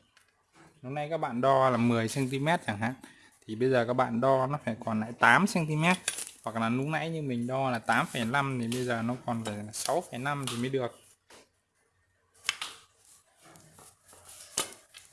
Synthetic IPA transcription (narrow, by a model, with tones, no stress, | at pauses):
nu˨˦ŋ͡m̚nʔa˧jkaː˦˥k̚ɓa̰ː˧˨nɗɔ˧laː˨˩mɨ˨˩əjsɛ˧nt̪i˧mɛ˦˥t̚t͡ɕaː˨˧˩ŋɦa̰ː˧˨n | t̪ʰi˨˩ɓə˧jzəː˨˩kaː˦˥k̚ɓa̰ː˧˨nɗɔ˧nɔ˨˦faː˧˩jkɔ˨˩na̰ː˧˥jt̪aː˨˦msɛ˧nt̪i˧mɛ˦˥t̚hwa˨˩k̚laː˨˩nu˨˦ŋ̚na̰˧˥jɲɨ˧mï˨˩ŋ̟ɗɔ˧laː˨˩t̪aː˨˦mfə˨˩jla˧mt̪ʰi˨˩ɓə˧jzəː˨˩nɔ˨˦kɔ˨˩nlaː˨˩aː˨˩sa˨˦wfə˧˩jna˧mt̪ʰi˨˩mə˨˦jɗɨ˨˩ək̚